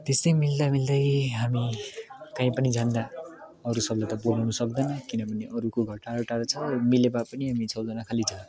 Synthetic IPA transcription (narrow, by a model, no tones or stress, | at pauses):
t̪est̪ʌjmild̪amild̪ʌjɦamikaĩpʌnid͡zand̪a | ʌɾusʌblat̪ʌbolawnʌsʌk̚d̪ʌnʌkinʌbʱʌneʔʌɾukoɡʱʌʈːaɾoʈaɾʌt͡sʰʌmilebapʌniɦamit͡sʰʌwd͡zʌnakʰalid͡za